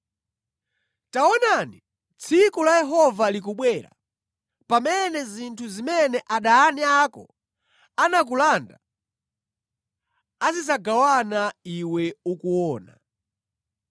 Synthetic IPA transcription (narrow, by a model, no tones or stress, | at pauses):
taɔnani | t͡sʰikulajɛɦɔvalik̬uɓwɛɾa̰ | pamɛnɛzintʰuzimɛnɛʔaɗaːniakɔ̰ | anak̬ulanda̰ | azizaɡawanaiwɛukuɔːna̰